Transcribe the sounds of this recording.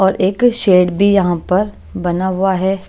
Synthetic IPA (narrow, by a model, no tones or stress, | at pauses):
ɔːɾʔeːkʃeːɖbʱijɐɦãpɐɾ | bɐnaɦʊaɦɛː